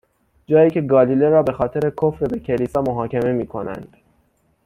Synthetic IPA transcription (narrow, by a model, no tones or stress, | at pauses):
d͡ʒɒːjiːcʰe̞ɡɒːliːleɾɒːbe̞xɒːt̪ʰe̞ɾe̞kʰofɾebe̞cʰe̞liːsɒːmoɦɒːcʰe̞me̞miːkʰo̞næ̰nd̪̥